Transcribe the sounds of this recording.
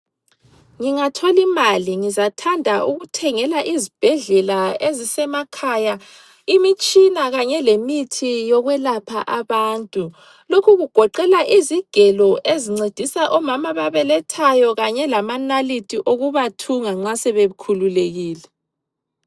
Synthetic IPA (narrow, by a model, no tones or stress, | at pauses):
ŋiŋatʰolimaliŋizatʰandʱaʔuɣutʰɛŋɛlaʔizib̥ʱɛɮɛlaezisɛmakʰaja | imit͡ʃʼinaɣaɲɛlemitʰijɔɣwɛlapʰaʔaβaːntʼu | lokʰuɣuɡ̥ʱɔǃɛlaʔiziɡ̥ʱɛlɔʔeziŋ͡ǀed̥ʱisaʔɔmamaβaβɛlɛtʰajɔɣaɲɛlamanalitʼiʔoɣuβatʰuŋaŋ͡ǁasɛβeukʰululeɣiːlɛ